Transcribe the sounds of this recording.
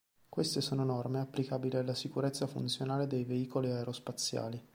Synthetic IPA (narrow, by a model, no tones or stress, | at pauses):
kwest̪esoːnoenɔrmeapːlikabilialːasikuɾet̪sːafṵnt̪sjonaːled̪ejveiːkoliaeɾospat̪sːja̰ːli